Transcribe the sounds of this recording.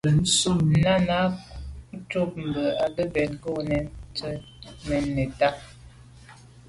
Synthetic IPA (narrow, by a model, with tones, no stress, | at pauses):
bə˨n̩˦su˦na˦na˦ | to˦p̚m̩˨bə˨a˨də˦bɛ˨nɡo˦nɛ˨nt͡sə˦ | nɛ˨nːe˨ta˦